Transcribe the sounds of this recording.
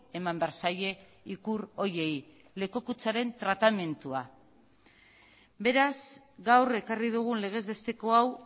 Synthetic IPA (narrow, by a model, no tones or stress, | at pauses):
emambeaɾsaje̞ | ikuɾo̞je̞j | le̞ko̞kut͡saɾe̞nt̪ɾat̪ame̞nt̪ua | be̞ɾaz | ɡawre̞kariðuɣ̞unle̞ɣ̞e̞zβe̞st̪e̞ko̞aw